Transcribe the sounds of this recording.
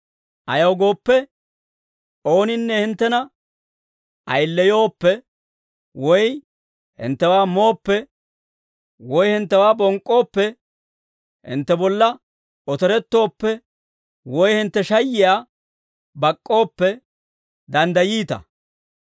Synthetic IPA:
ʔɐjɐwɡo̞ːpːɛ | oːnɪnːɛhɪnt̪ːɛnɐ | ʔɐjlːɛjo̞ːpːɛ | wɔj | hɪ̰nt̪ːɛwaːmo̞ːpːɛ | wɔjhɪnt̪ːɛwaːbɔŋkʼːo̞ːpːɛ | hɪ̰nt̪ːɛbɔlːɐ | ɔt̪ɛɾɛt̪ːo̞ːpːɛ | wɔjhɪnt̪ːɛʃɐjːɪjaː | bɐkʼːo̞ːpːɛ | d̪ɐnd̪ɐjiːt̪ɐ̰

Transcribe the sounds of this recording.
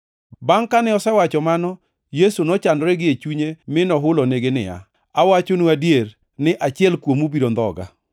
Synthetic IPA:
baŋkanɛɔsɛwat͡ʃɔmanɔ | jesunɔt͡ʃandɾɛɡɪet͡ʃuɲemɪnɔɦʊlɔneɡenɪ̰a̰ | awat͡ʃonuadieɾ | nɪʔat͡ʃɪɛlkwomubiɾond̪ɔ̰ɡa̰

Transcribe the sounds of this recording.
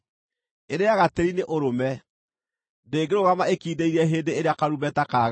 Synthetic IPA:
eɾeaɣateɾineʔoɾomɛ | ndeːɡeɾoɣamaekiːdeiɾɛɦeːndeeɾeakaɾumɛtakaɣ

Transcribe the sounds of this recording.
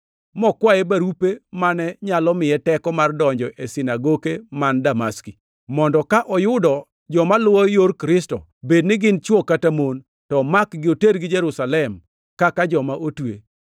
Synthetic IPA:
mɔkwaebaɾupemanɛɲalɔmɪɛtɛkɔmardɔɲd͡ʒɔʔesɪnaɡokemandamaski | mɔndɔkaʔɔjʊdɔ | d͡ʒɔmalʊwɔjoɾkɾɪstɔ | bednɪɡɪnt͡ʃwokːatamon | tɔmakɡɪoteɾɡɪd͡ʒeɾusalɛm | kakad͡ʒɔmaʔotwe

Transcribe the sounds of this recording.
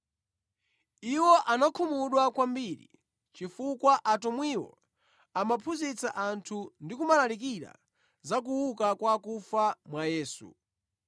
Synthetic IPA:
iwɔʔanakʰumuɗwakwambiɾḭ | t͡ʃifukwaʔatɔmwiwɔ̰ | amapʰuzit͡saʔantʰundikumalalik̬iɾa̰ | zak̬uwukakwakufamwajɛːsṵ

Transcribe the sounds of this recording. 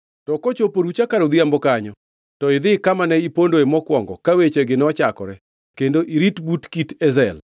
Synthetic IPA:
tɔkɔt͡ʃopoɾut͡ʃakaɾod̪iambɔkaɲɔ | tɔɪd̪ɪkamanɛipondoemɔkwɔŋɡɔkawet͡ʃeɡɪnɔt͡ʃakɔɾɛ | kendoʔiɾitbutkitɛzɛl

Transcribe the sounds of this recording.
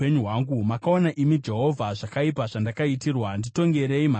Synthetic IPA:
eɲuɦwaːŋɡumakaonaʔimid͡ʒe̞ɦovʱaʐakaip̬aʐandakaitirwandito̞ŋɡe̞ɾeima

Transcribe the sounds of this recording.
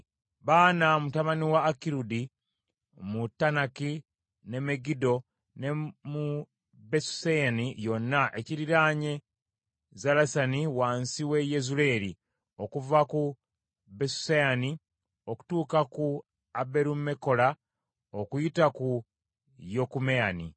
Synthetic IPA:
βaːnamutaβaniwaːkiɾudi | mutːanaki | ne̞me̞ɡido̞ | nemu | besu̥sejanijo̞nːaʔe̞ciɾiɾaːɲe̞ | zalasaniwaːnsiwe̞je̞zule̞ɾi | o̞kuvaku | besu̥sejani | o̞ku̥tuːkaku | abe̞ɾume̞ko̞la | okujitaku | jokumeanḭ

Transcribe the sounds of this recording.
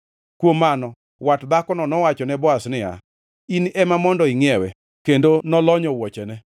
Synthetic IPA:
kwomːanɔ | watd̪akɔnɔnɔwat͡ʃɔnɛbɔasnɪa̰ | inɛmamɔndɔɪŋɪɛwɛ | kendonɔlɔɲɔwɔt͡ʃɛnɛ

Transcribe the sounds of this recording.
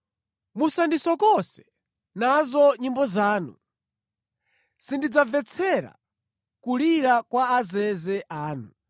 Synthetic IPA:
musandisɔkɔsɛ̥ | nazɔɲimbɔzaːnṵ | sindid͡zavɛt͡sʰɛɾa̰ | kuliɾakwaazɛzɛʔaːnu

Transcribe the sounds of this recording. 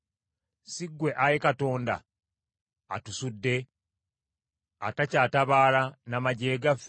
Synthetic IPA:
siɡwe̞ʔajekato̞ːnda̰ | tusudːe̞ | a̰tacaːtaβaːlanamaɟe̞ːɡaf

